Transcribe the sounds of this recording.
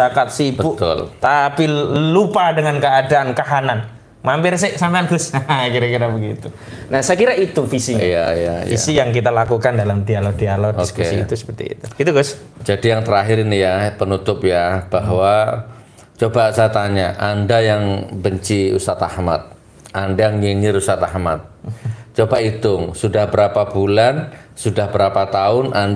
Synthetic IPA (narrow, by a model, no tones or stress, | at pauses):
sakat̪̚sibəuʔt̪ʊ̰lt̪apilupadəŋankəadaʔankaɦanan | mampɪrsɪsampeanɡʊsakiɾakiɾabəɡit̪u | nahsəkiɾaʔit̪ufisiija̰ija̰ḭsijaŋk̬it̪alakukandalamd̪ialɔk̚d̥ialɔk̚ioskuesḭːt̪usə̥pərt̪ḭḭt̪ubəɡit̪uɡʊs | d͡ʒadijaŋt̪əɾaɦɪɾinijapənut̪ʊpjab̥aɦwa | t͡ʃobasat̪aɲaʔandajaŋbəɲt͡ʃiṵsat̪a̰hma̰t̪̚ | ʔandajaŋɲiɲɪɾusat̪aɦmat̪̚t͡ʃobait̪ʊŋsudahbəɾapab̥ulansudahbəɾapat̪aʊnʔan